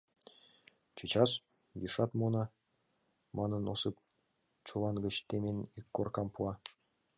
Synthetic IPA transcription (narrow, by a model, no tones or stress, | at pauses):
t͡ɕit͡ɕɑs | jiʂɑt̪monɑ | mɑnɤ̆nosɯp̚ | t͡ɕulˠɑnɡə̆t͡ɕt̪ʲemʲenʲikʲkːorkɑmpʰuɑ